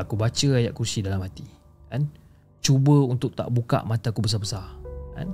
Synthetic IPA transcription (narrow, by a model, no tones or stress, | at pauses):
akubat͡ʃəajaʔkursidalamhat̪i | kan | t͡ʃubəunt̪ʊk̚t̪a̰ʔbuka̰ʔmãt̪akubəs̬abəsarka̰n